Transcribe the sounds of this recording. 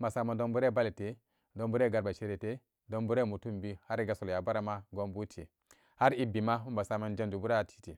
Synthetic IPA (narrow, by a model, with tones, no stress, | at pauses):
mba˨sa˦˨ma˨ndo˦mbu˦ɾe˦˨ba˦li˨te˨ | do˦mbu˦ɾe˦˨ɡa˨ɾba˨ʃe˦ɾe˨te˦ | do˦mbu˦ɾe˦˨mu˨tu˦mbi˦ha˦ɾi˦ɡa˨so˨lja˨ba˦ɾa˦ma˦ɡo˦mbu˦tʰḭ˨ | ha˦ɾi˦bi˨ma˦u˦mba˨sa˦˨ma˦nd͡ʒe˦nd͡ʒu˨bu˦ɾa˦˨tʰi̥˦ti˨